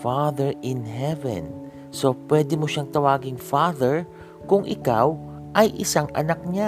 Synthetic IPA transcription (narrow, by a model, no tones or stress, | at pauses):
faðɛɹʔɪnɦɛvɛ̰n | so̞pwɛd̪ɪmoʃaŋt̪ɐwaːɡɪŋfaðɛɹ | kʊŋʔɪkaw | ʔɐjʔɪsaŋɐ̰nɐk̚ɲa